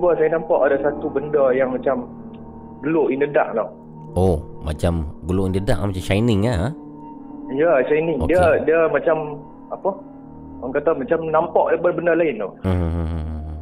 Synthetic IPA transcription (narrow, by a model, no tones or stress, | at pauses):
bəsajanãmpaʔadasat̪ubəndəjaŋmat͡ʃam | ɡəloʔindəda̰ʔ̚lɔh | oma̰t͡ʃamɡəloʔindəda̰ʔmat͡ʃamʃajnɪŋaə | jəʃajnɪŋo̰diədiəmat͡ʃam | apə | aŋkat̪amat͡ʃamnampɔʔbəbəndəlaɪnt̪oɦɦɦ